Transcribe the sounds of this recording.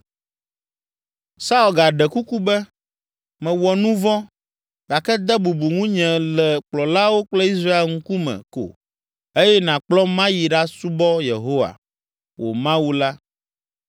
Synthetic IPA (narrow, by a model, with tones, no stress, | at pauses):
sa˦u˨lɡa˨ɖɛ˨ku˦ku˦bɛ˦ | mɛ̃˨wɔ˨nũ˦vɔ̃˦ | ɡa˨kɛ˦d̪ɛ˦bu˨bu˨ŋũ˦ɲɛ̃˨lɛ˨k͡plɔ˨la˦wo˦k͡plɛ˦i˦s̬ɾa˦e˨ŋ̩˦ku˦mɛ̰̃˨ko̰˨ | e˦jɛ˦nã˨k͡plɔ˦mã˦ji˨ɖa˦su˦bɔ˦je˨ɦo˦wa̰˨ | wo̰˨mã˦wu˦la˦